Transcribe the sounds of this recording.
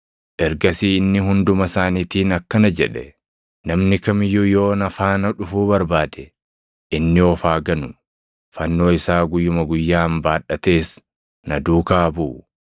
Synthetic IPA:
ʔɛɾɡɐsiːɪnːɪɦʊnd̪ʊmɐsaːniːt̪iːnɐkːɐnɐd͡ʒɛᶑɛ | nɐmnɪkɐmjʊjo̞ːnɐfaːnɐᶑʊfuːbɐɾbaːd̪ɛ | ʔɪnːɪɔfaːɡɐnʊ | fɐnːo̞ːɪsaːɡʊjːʊmɐɡʊjːaːmbaːᶑːɐt̪e̞ːs | nɐd̪uːkaːbuː

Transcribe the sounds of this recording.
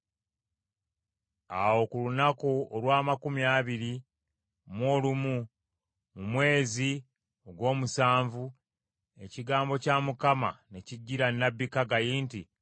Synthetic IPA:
awo̞kulunakuolwaːmakumiaːβiɾi | mwo̞ːlumu | mumwe̞ːzi | oɡwo̞ːmusaːɱvu | e̞ciɡaːmbo̞camukama̰ne̞ciɟːiɾanːabːikaɡajiːnti

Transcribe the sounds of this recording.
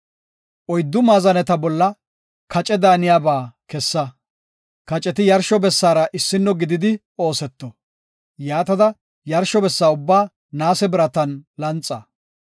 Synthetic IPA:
ʔɔjd̪ːʊmaːzɐnɛt̪ɐbɔlːɐ | kɐt͡ʃʼɛd̪aːnɪjaːbaːkɛsːɐ | kɐt͡ʃʼɛt̪ɪjɐɾʃɔbɛsːaːɾɐʔɪsːɪnːɔɡɪd̪ɪd̪ɪ | o̞ːsɛt̪ːɔ | jaːt̪ɐd̪ɐ | jɐɾʃɔbɛsːaːʊbːaː | naːsɛbɪɾɐt̪ɐnlɐnt͡sʼːɐ

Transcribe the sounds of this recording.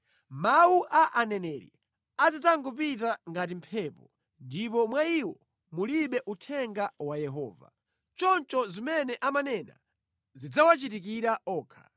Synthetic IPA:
mawuʔaʔanɛnɛɾḭ | azataŋɡupit̬aŋɡat̬impʰɛːpɔ | ndipɔmwaiwɔ | muliɓɛʔutʰɛŋɡawajɛɦɔ̰ːva̰ | t͡ʃɔnt͡ʃɔzimɛnɛʔamanɛna̰ | zid͡zawat͡ʃitikiɾaɔːkʰḁ̰

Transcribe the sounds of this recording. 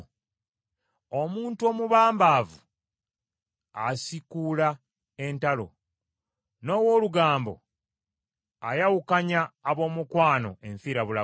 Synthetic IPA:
omuːntuomuβaːmbaːvu | asikula | e̞ntalo̞̰ | no̞ːwo̞ːluɡaːmbo̰ | ajawukaɲaːβo̞ːmukwaːno̞̰eɱfiːɾaβula

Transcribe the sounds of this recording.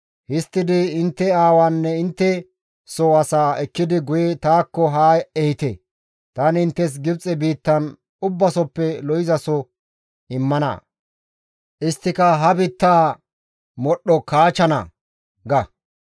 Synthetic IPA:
hɪst̪ːɪd̪ɪɪnt̪ːɛaːwaːnːɛɪnt̪ːɛ | sɔɐsaːɛkːɪd̪ɪɡʊjɛt̪aːkːɔɦaːɛhɪt̪ɛ̰ | t̪ɐnɪɪnt̪ːɛs̬ɡɪbt͡sʼɛbiːt̪ːɐn | ʊbːɐsɔpːɛlɔjɪzɐsɔ | ɪmːɐnɐ̰ | ʔɪst̪ːɪkɐɦɐbit̪ːaː | mɔɗːɔkaːt͡ʃːɐnɐ̰ | ɡɐ

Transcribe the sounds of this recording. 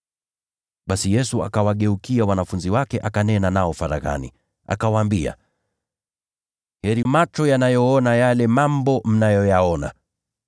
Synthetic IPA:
ɓasijɛsua̰kawaɠɛukiawanafunziwakɛʔakanɛnanaɔfaɾa̰ɣa̰nḭ | ʔa̰kawaːmbia̰ | hɛɾimat͡ʃɔjanajɔɔnajalɛmambɔm̩najɔjaɔna

